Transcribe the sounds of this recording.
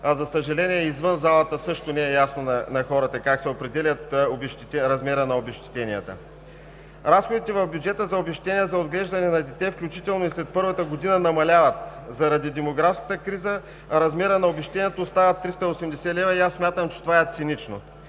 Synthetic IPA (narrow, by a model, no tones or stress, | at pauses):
ɐzɐsəʒɐlɛniɛizvɤnzalˠət̪əsɤʃt̪onɛɛjasnonɐnɐxɔɾɐt̪əkaksɛopɾɛd̪ɛlʲɐt̪obɛʃt̪ɛɾɐzmɛɾənɐobɛʃt̪i̥t̪ɛniə̰t̪ə̰ | ɾasxod̪it̪ɛvɐvbjud͡ʒɛt̪əzɐobɛʃʲt̪ɛnijɛzɐod̪ɡlɛʒd̪ɐnɛnɐd̪ɛt̪ɛfklʲut͡ʃit̪ɛlˠnoislɛt̪̚pɤɾvət̪əɡod̪inənɐmɐlʲavɐt̪ | zɐɾɐd̪id̪ɛmoɡɾafskə̥t̪əkɾizə | ɾɐzmɛɾənɐobɛʃt̪ɛnʲijɛt̪oːst̪avət̪ːɾist̪əiosɛmd̪ɛsɛlɛvɐiasːmʲjat̪əmt͡ʃɛ̥t̪ovaɛt̪sinit͡ʃno̰